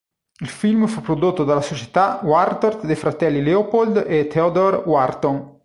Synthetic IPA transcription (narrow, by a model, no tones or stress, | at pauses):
ilfilmfupɾod̪ot̪ːod̪alasot͡ʃe̥t̪awaɾt̪oɾt̪d̪efɾat̪ɛlːileopold̪et̪ʰeod̪oɾwaɾt̪oŋ